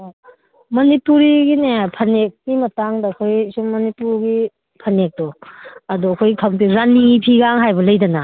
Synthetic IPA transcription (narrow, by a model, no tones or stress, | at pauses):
mɐnipuɾiɡinepʰɐnek̚nimɐtaŋdɐːkʰojsummɐnipuɾɡi | pʰɐnek̚dɔɐduɐkʰojkʰaŋtiɾanːiŋipʰiɡaŋɦajbɐlɐjdɐna